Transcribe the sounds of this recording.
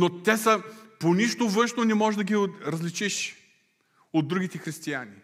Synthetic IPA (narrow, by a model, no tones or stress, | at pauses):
not̪ɛsəponiʃt̪ovɤ̃nʃnonɛmɔʒd̪ɐɡʲiɾɐzlit͡ʃiʃ | od̪̚ːɾuɡit̪ɛxɾist̪iani